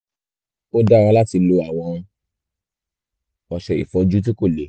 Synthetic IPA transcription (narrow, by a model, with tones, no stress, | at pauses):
o˦dã˦˨˧ã˧˦la˦ti˧lo˧a˨w̃ɔ̃˧ | ɔ˨ʃɛ˨ḭ˨fɔ˧˦d͡ʒu˦t̬i˦ko˦˨le˨